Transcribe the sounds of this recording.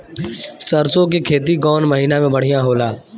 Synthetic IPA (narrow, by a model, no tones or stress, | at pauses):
səɾsõk̬ikʰeːt̪̬iɡɔːnməɦiːnamẽbəɽ̤ijãɦoːlaː